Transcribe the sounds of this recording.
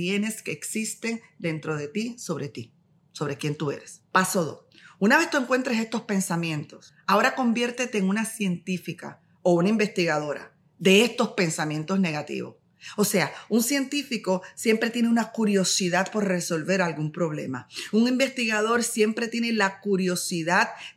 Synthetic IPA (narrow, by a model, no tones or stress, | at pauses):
jene̞ske̞ːksist̪e̞ŋd̪e̞nt̪ɾo̞ðe̞t̪iso̞βɾe̞t̪i | so̞βɾe̞kje̞nt̪ue̞̰ɾespaso̞ðo̞̰sunaβe̞st̪ueŋkwe̞nt̪ɾese̞st̪o̞spe̞nsamjẽ̞nt̪o̞s | ao̞ɾako̞mbje̞ɾt̪e̞t̪e̞ːŋunasje̞nt̪ifika̰ | o̞unaimbe̞st̪iɣað̞o̞ɾa̰ | ðe̞est̪o̞spe̞nsamje̞nt̪o̞sne̞ɣat̪ḭβo̞̰s | o̞se̞auŋsje̞nt̪ifiko̞sje̞mpɾe̞t̪je̞neunakuɾjo̞siðað̚po̞ɾre̞so̞lβe̞ɾalɡumpɾo̞β̞le̞̰ma̰uŋimbe̞st̪iɣaðo̞ɾsje̞mpɾet̪jene̞lakuɾjo̞siðad̪